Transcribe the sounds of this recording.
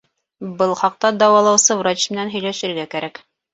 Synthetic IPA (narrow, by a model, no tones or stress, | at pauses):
bɤlˠχɑq̚t̪ɑd̪ɑwɑlˠɑwsɤvrat͡ɕmɘ̆nænɦɵ̆jlæʃɘ̆ɾɡækæɾæk